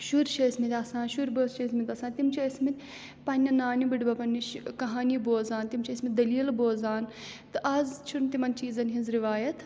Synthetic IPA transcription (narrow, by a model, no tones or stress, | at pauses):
ʃuɾt͡ʃʰɐsʲmit̪ʲɐsãːnʃuɾbɐːst͡ʃʰɐsmit̪ʲɐsaːnt̪imt͡ʃʰiɐsʲmit̪ʲ | pɐnʲːɐnaːnibiʈbɐpɐnːiʃkɐɦaːniboːzaːnt̪imt͡ʃʰɐsʲmit̪ʲd̪ɐliːlboːzaːn | t̪ɨʔɐzt͡ʃʰunt̪imɐnt͡ʃiːzɐnʲɦinzɾiʋaːjɐt̪ʰ